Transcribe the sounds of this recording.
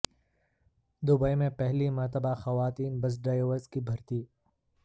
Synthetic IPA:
d̪ʊbəjmẽpɛɦlimɐɾt̪əbaxɐʋaːt̪iːnbɐs̬ɖaːjeʋəɾzkibʱɐɾt̪iː

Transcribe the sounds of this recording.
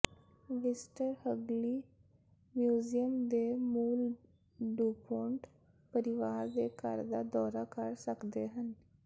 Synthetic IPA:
ʋɪsʈəɾhəɡliː | mjuːzijəmd̪eːmuːl | ɖuːpʰoɳʈ | pəɾɪʋaːɾd̪eːkəɾd̪aːd̪ɔːɾaːkəɾsəkd̪eːɦən

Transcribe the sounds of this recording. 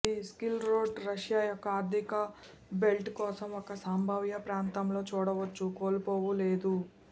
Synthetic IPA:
iskilɾo̞ːɖɾɐʂjaːjɔkːɐaːɾd̪ʱikɐ | be̞lʈkɔːsɐmɔkɐsaːmbʱɐʋjɐpɾaːnt̪ɐmlo̞ːt͡ʃuːɽɐʋɐt͡ʃːukoːlpoːʋule̞ːd̪u

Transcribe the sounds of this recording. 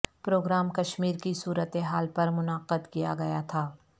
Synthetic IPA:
pɾoːɡɾaːmkɐʃmiːɾkisuːɾət̪eɦaːlpɐɾmʊnaːqəd̪kijaɡɐjat̪ʰaː

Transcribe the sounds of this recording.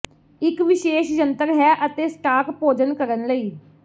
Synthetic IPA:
ɪkʋɪʃeːʃd͡ʒənt̪əɾɦɛːʔət̪eːsʈaːkpoːd͡ʒənkəɾənləiː

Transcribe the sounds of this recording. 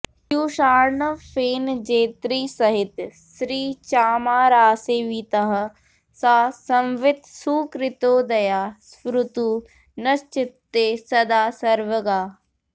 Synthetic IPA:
kjuːʃaːɾɳəfeːnd͡ʒeːt̪ɾiːsɐɦɪt̪sɾiːt͡ʃaːmaːɾaːseːʋit̪ɐɦə̆ | saːsɐ̃mʋɪt̪suːkɾɪt̪oːd̪ɐjaːspɾʊt̪uː | nɐst͡ʃɪt̪ːeːsɐd̪aːsɐɾʋəɡaː

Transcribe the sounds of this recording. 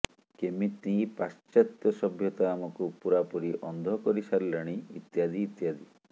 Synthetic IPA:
kemit̪ĩpast͡ʃat̪jɔsɔbʱjɔt̪aːmɔkupuɾapuɾiʔɔnd̪ʱɔkɔɾisaɾileɽ̃iit̪jad̪iːt̪jad̪i

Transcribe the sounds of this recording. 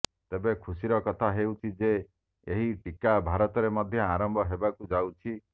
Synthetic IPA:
t̪ebekʰusiɾɔkɔt̪ʰaɦewt͡ʃʰid͡ʒe | eɦiʈikabʱaɾɔt̪ɔɾemɔd̪ʱjɔaɾɔmbʱɔɦebakud͡ʒawt͡ʃʰi

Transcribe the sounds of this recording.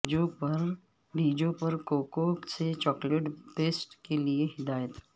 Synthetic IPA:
opəɾ | ɖid͡ʑõpəɾkokokset͡ɕɔkleʈpesʈkelieɦɪd̪ajət̪

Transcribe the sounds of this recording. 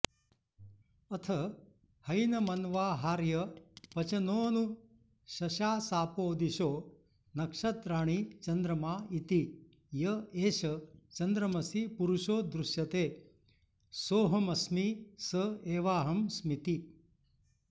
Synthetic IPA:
ɐt̪ʰɐ | hɐjnɐmɐnʋaːɦaːɾjɐpɐt͡ʃɐnoːnu | ɕɐɕaːsaːpoːd̪iɕoː | nɐkʂɐt̪ɾaːɳ̃it͡ʃɐnd̪ɾɐmaːit̪i | jɐeːɕɐt͡ʃɐnd̪ɾɐmɐsipuɾuʃoːd̪ɾuʃjɐt̪eː | soːɦɐmɐsmisəeːʋaːɦɐmsmit̪i

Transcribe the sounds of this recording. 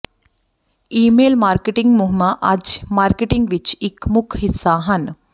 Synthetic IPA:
iːmeːlmaːɾkeʈiŋɡmuɦmaʔɐd͡ʒmaːɾkeʈiŋɡʋit͡ʃikmukʰɦisaːɦɐn

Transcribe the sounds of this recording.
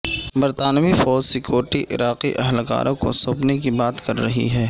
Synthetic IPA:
bɐɾt̪aːnmifɔːd͡ʒsɪkjoːɾʈiʔɪ̰ɾaːqiʔɐɦlɡa̰ːɾʔõko̰soːpnek̬ibaːt̪kɐɾːɐɦḭɦɛː

